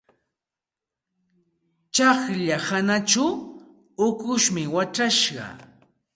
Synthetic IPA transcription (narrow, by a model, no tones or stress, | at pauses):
t͡ʃaχʎahanat͡ʃa | ʊkʊʃmɪwaʈ͡ʂaʃɢɑ̰